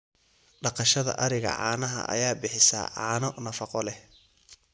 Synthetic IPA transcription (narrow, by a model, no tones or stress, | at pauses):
ɖɑqɑʃɐðɐ̰ʔɐɾɪɣɐ̰ʕɑ̰ːnɐɦɐ̰ʔɐ̰jaːbɪħɪsa̰ːʕɑːnɔnɐfɑqɔlɛ